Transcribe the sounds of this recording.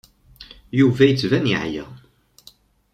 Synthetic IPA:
juvæjət͡sːvænjḭʕjæ̰

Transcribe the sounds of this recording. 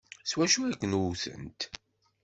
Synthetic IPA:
swæʃuækːənwuθə̰nt̪

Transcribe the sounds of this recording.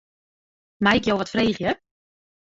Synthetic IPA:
majɪkjowʋɔtfreːχjə

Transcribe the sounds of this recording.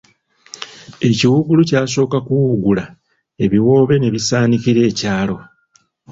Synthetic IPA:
e̞ciwuɡulucaːso̞ːkakuwuɡula | e̞βiwo̞ːβe̞ne̞βisaːniciɾe̞ːcaːlo̞

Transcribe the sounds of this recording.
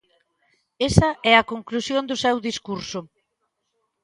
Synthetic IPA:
esɐɛɐkoŋklusjond̪ʊsɛwðiskuɾsʊ

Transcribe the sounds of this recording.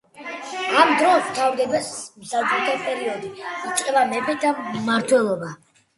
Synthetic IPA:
amd̪ɾɔst̪ʰavɾɡ̪ɛd̪ɛsmsad͡ʒʼut̪ʰapʼɛɾiɔd̪iit̪sʼqʼɛbamɛpʰɛd̪aːaɾt̪ʰwɛlˠɔba

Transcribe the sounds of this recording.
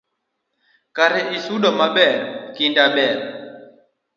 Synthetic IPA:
kaɾɛʔisuɗɔmaɓɛɾkindaɓɛɾ

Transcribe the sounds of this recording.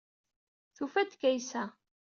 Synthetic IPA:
θufæd̪kːæjsæ

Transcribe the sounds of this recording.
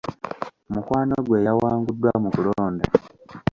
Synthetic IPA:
omukwaːnoɡwe̞ːjawaːŋɡudːwamukuloːnda

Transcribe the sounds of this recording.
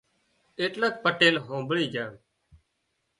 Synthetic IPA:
eːʈlək̚pəʈeːlɦõːmbɭiːd͡ʒãːɳ

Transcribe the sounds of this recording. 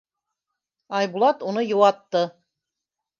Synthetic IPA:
ɑjbulˠɑt̪unɤjɤ̆wɑt̪ːɤ

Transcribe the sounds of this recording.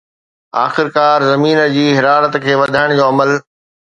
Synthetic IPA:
a̰ːxɪɾkaːɾzɐmiːnə̆d͡ʑiːɦɪɾaːɾət̪kʰeːʋɐd̪ʱaːɪɽ̃d͡ʑoːɐməl

